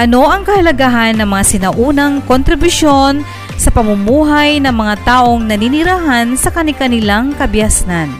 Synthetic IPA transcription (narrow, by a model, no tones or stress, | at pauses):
ʔɐno̞ʔɐŋkɐhɐlɐɡaɦanːɐŋmɐŋasɪnɐʔuːnɐŋkont̪ɾɪbuʃo̞n | sɐpɐmʊmuːɦajnɐŋmɐŋat̪aːʔo̞ŋnɐninɪɾaːɦansɐkɐnɪkɐnɪlaŋkɐbjasnan